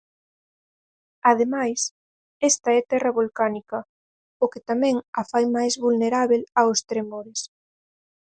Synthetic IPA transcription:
að̞emajs | ɛst̪ɐɛt̪ɛrɐβolkanikɐ | okɪt̪amɛ̃ŋafajmajzβulneɾaβelaost̪ɾemoɾɪs

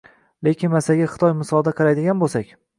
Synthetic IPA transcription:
le̞kʲɪnmasaɡʲaχɨ̥t̪ʰɒjmɪsɒlˠd̪aqʰɨlajd̪ɪɡʲanbolˠsakʲ

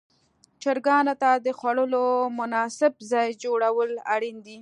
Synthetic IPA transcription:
t͡ʃəɾɡɑnot̪ad̪əxwaɽəlomʊnɑsɪbzɑjd͡ʒoɽawəla̰ɽind̪i

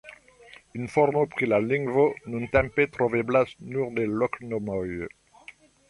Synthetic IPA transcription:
ynfɔʁmopχilalĩŋvonũnt̪ɛ̃mpet̪χɔveblasnuʁd̪elɔknɔmɔj

